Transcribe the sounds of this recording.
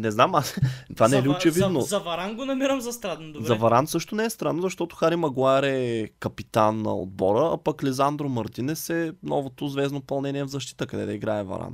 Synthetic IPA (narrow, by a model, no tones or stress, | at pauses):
nɛznamast̪ovanɛɛliʊt͡ʃɛvinozɐvɐɾanɡonɐmiɾəmzɐst̪ɾad̪nd̪ozɾɐɛvɐɾansɤʃt̪ʊnɛɛst̪ɾanːozɐʃt̪ɔt̪ʊ̥xaɾimɐɡˠaɾɛkɐpit̪anːɐ̰o̰d̪̚bɔɾəa̰pɐklɛzand̪ɾomɐɾt̪inɛsɛnɔvot̪ozvɛznopɐlˠnɛniɛvzɐʃt̪i̥t̪əkɐd̪ɛ̰d̪ɐiɡɾaɛvɐ̰ɾa̰n